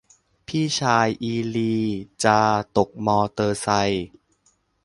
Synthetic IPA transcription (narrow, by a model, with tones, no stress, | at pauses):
pʰiː˥˩t͡ɕʰaː˧jʔiː˧liː˧t͡ɕaː˧t̪o˨˩k̚mɔː˧t̪ɤː˧sa˧j